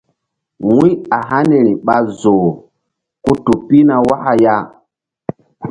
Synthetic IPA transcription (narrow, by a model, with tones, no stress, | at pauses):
wũ˦a˨ɦa˦ne˨ɾi˨ɓa˦zo˨ | ku˦tu˨pi˦na˨wa˦ha˨ja˦